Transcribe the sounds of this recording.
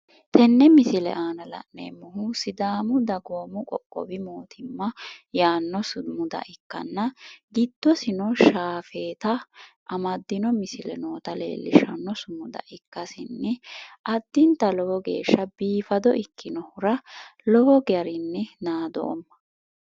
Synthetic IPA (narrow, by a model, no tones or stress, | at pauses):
t̪ɛnːɛmɪsɪlɛ̰ʔaːnɐlɐ̰ʔnḛːmːʊɦʊsɪd̪aːmʊd̪ɐɡoːmʊkʼɔkʼːɔ̰bɪmoːt̪ʰɪmːɐjaːnːɔsmʊd̪ɐ̰ʔɪkːɐ̰nːɐɡɪd̪̥ːɔsɪnɔʃaːfe̞ːt̪ɐʔɐmɐd̪ːɪnɔmɪsɪlɛ̰noːt̪ɐlḛːlːɪ̰ʃɐnːɔsʊmʊd̪ɐ̰ʔɪkːɐsɪnːɪʔɐd̪ːɪnt̪ɐlɔwɔɡe̞̰ːʃːɐbiːfɐd̪ɔʔɪkʰːɪnɔhʊɾɐlɔwɔɡjɐɾɪnːɪnaːd̪o̰ːmːɐ̥